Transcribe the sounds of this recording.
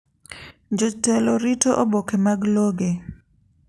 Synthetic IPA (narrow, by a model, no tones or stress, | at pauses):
d͡ʒotɛloɾitoʔobokemaɡloɡe